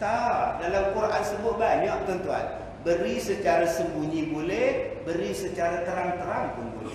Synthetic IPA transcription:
t̪adalamkuɾʔansəbʊt̪̚baɲɔʔ̚t̪ənt̪ua̰n | bəɾisət͡ʃaɾasəmbuɲĩbolɛhbəɾisət͡ʃaɾat̪əɾaŋt̪əɾaŋpʊnbo̰lɛ̰

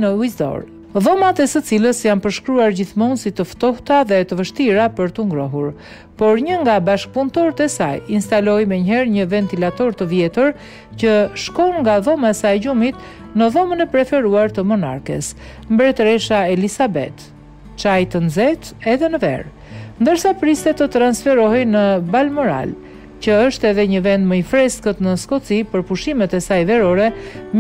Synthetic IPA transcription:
nəuzd̪ɔ̰ɾ | ðɔmat̪ɛsət͡siləsjanpəɾʃkɾuaɾɟiθmɔnsit̪əft̪ɔht̪aðɛt̪əvəʃt̪iɾapəɾt̪əŋɡɾɔɦuɾ | pɔɾɲəŋɡabaʃk̚punt̪ɔɾt̪ɛsajinst̪alɔjmɛɲəɦɛɾɲəvɛnt̪ilat̪ɔɾt̪əvjɛt̪əɾ | cəʃkɔnŋɡaðɔmaɛsajɛɟumit̪ | nəðɔmənɛpɾɛfɛɾuaɾt̪əmɔna̰ɾkɛ̰s | mbɾɛt̪ɾɛʃaɛlisabɛ̰t̪ | t͡ʃajt̪ənzɛt̪ɛðɛnəvɛ̰ɾ | nd̪əɾsapɾist̪ɛt̪ət̪ɾansfɛɾɔɦɛjnəbalmɔɾa̰l | cəəʃt̪ɛɛðɛɲəvɛnd̪məifɾɛskət̪nəskɔt͡sipəɾpuʃimɛt̪ɛsajvɛɾɔɾɛ

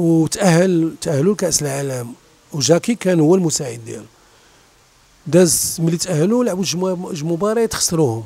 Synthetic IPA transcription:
wt̪ʔæhːəlt̪ʔæhːlulkæʔsəlʕaləm | wʒækikænhʊwːælmʊsaʕəd̪ːjæ̰lu | d̪æzməlːit̪ʔæhːlulʕbud̪ʒʒmʊbɑɾˤɑjt̪əxsˤːɾuhʊm

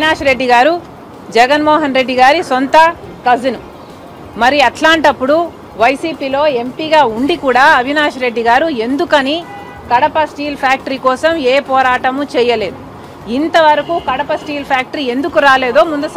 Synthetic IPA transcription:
naːʂɐɾe̞ɖːiɡaːɾu | d͡ʒɛɡɐnmɔːɦɐnɾe̞ɖːiɡaːɾisont̪ɐ | kɐd͡ʒinu | mɐɾiɐʈlaːɳʈɐpːuɽu | ʋɐjsiːpiːlo̞ːe̞mpiːɡaːuɳɖikuːɽaːɐbʱinaːʂɐɾe̞ɖːiɡaːɾue̞nd̪ukɐni | kɐɽɐpɐsʈiːlpʰjaːk̚ʈɐɾikɔːsɐmeːpɔːɾaːʈɐmut͡ʃɛːjɐle̞ːd̪u | int̪ɐʋɐɾɐkuːkɐɽɐpɐsʈiːlpʰjaːk̚ʈɐɾie̞nd̪ukuɾaːle̞ːd̪o̞ːmund̪ɐs

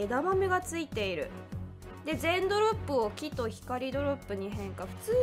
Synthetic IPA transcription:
ed̪amameɡat͡sɨit̪e̞iɾɯ̟ | d̪e̞zẽ̞nd̪o̞ɾo̞pːɯ̟okʲit̪o̞çi̥kaɾʲid̪o̞ɾo̞pːɯ̟ɲ̟iɦẽ̞ŋkaɸɯ̟̥t͡sɨː

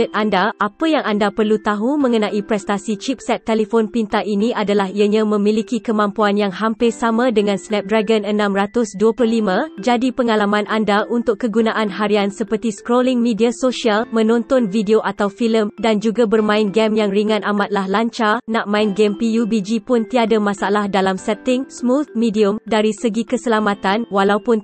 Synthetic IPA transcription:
ət̪̚andaʔapajaŋandapərlut̪aɦumə̃ŋənãʔipɾɛst̪asit͡ʃip̚sɛt̪ːeləfonpint̪aʔinĩʔadalahiaɲãmə̃mĩlikikəmãmpuanjaŋɦampɪrsamãdəŋãnsnɛp̚dɾaɡənənãmrat̪ʊsduəplʊhlimãd͡ʒadipəŋalamãnʔandaʔunt̪ʊkkːəɡunaʔanɦaɾiansəpərt̪iskɾolɪŋmĩdiasoʃialmə̃nɔ̃nt̪ɔnvideoʔat̪awfiləmdand͡ʒuɡabərmãɪnɡɛmjaŋriŋãnamat̪̚lahlaɲt͡ʃanaʔmãɪnɡɛmpijubid͡ʒipʊnt̪iadamãsalahdalamsɛt̪ɪŋsmut̪̚mĩdiʊmdaɾisəɡikəsəlamat̪anwalawpʊn

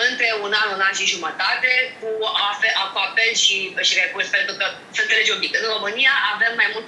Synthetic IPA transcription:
ɨnt̪ɾe̞unanunanʃiʒumət̪at̪e̞kuafeakuafelʃiʃiɾekurspent̪ɾukə | sənt̪sele̞d͡ʒobikəɨnro̞mɨnijaʔave̞mːajmult̪

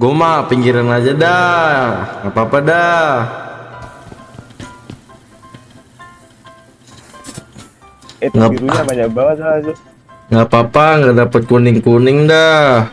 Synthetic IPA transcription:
ɡomapiŋɡiɾanad͡ʒada | ŋapapada | ɛŋɡaɾuamaɲabaasad͡ʒ | ŋɡapapaŋɡadapat̪̚kunɪŋkunɪŋda

